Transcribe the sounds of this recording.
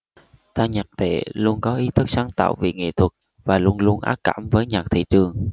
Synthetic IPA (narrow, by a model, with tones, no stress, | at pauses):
t̪aː˧ɲaː˨˩k̚t̪ḛ˧˩lu˧ənkɔ˨˦ʔi˨˦t̪ʰɨ˦˥k̚saː˨˦ŋt̪a̰ː˧˨wvḭ˨˩ŋḛ˧˨t̪ʰwə˨˩t̚ | vaː˨˩lu˧ənlu˧ənʔa̰ː˦˥p̚kːa̰ː˧˩mvəː˨˦jɲaː˨˩k̚t̪ʰḭ˧˨t͡ɕɨ˨˩əŋ